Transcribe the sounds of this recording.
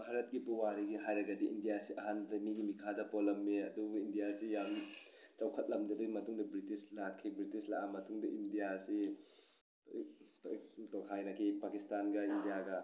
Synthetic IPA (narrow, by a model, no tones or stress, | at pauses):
bʱaɾɐt̚ɡibuwaɾiɡiɦajɾɐɡɐdiʔindijasiʔɐɦandɐmiɡimikʰadɐpolɐmːeɐduindijasijam | t͡ʃɐwkʰɐt̚lɐmdɐɐduɡimɐtuŋdɐbɾitislakʰːibɾitislaʔamɐtuŋdɐʔindijasi | tokʰajnɐkʰipakistanɡɐindijaɡɐ